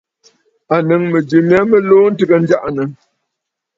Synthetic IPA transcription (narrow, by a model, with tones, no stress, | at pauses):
a˨nə˨ŋmə˨d͡ʒi˨mja˦mə˦loː˦n̩˦tɨ˦ɡə˨n̩˦d͡ʒa˦ʔa˨nə˨ŋ